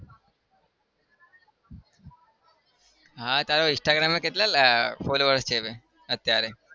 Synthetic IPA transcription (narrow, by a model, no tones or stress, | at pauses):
ɦãt̪jaɾoɪ̃sʈaɡɾameket̪lalfoloʋəɾst͡ʃʰeʋe | ət̪ːjaɾe